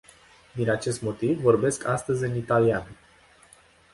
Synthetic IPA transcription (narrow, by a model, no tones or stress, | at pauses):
d̪inat͡ʃe̞st̪mo̞t̪ivːo̞rbe̞skʰast̪əzʲɨnit̪alian